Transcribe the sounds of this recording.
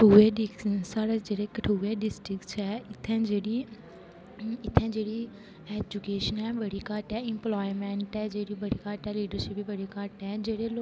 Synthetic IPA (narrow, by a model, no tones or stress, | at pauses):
uːeːɖisaːɽeːd͡ʒeːɽeːkəʈʰuːʋeːɖɪsʈɾɪkt͡ʃɛːɪt̪ʰːɛ̃ːd͡ʒeːɽiː | ɪt̪ʰːɛ̃ːd͡ʒeːɽiː | ɛːd͡ʒʊkeːʃənɛːbəɽiːkaːʈɛːɪmplaːimɛ̃ːɳʈɛːd͡ʒeːɽiːbəɽiːkaːʈɛːliːɖəɾʃɪpiːbəɽiːkaʈɛːd͡ʒeːɽeːlo